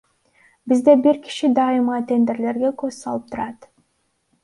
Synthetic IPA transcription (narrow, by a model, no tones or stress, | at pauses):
bizd̪e̞biɾki̥ʃid̪ɑɨmɑt̪e̞nd̪e̞ɾle̞ɾɡe̞køzsɑlˠɯp̚t̪ʰuɾɑt̪